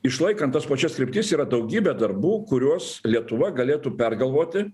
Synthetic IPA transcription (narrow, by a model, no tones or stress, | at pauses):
ɪʃlˠɐɪkɐnt̪t̪ːɐspɐt͡ʃʲɛskɾʲɪpʲt̪ʲiːsiːɾɐd̪ɐʊɡʲiːbʲɛːd̪ɐrbuːkʊɾʲuɔslʲiɛt̪ʊʋɐɡɐlʲeːt̪uːpʲɛrɡɐlˠʋoːt̪ʲɪ